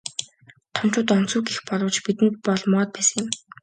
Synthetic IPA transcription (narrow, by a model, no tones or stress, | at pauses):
t̪ʰɔn̥t͡ɕʊːt̪ɔn̥t͡suːkixpɔɮʁɞ̆t͡ɕpit̪ɘ̆nt̪̚pɔɮmɔːt̪̚pæːsə̆ŋjə̆m